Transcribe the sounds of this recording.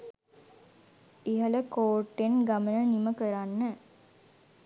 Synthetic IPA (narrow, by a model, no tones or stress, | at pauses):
iɦələkoːʈːenɡamənəniməkəɾanːə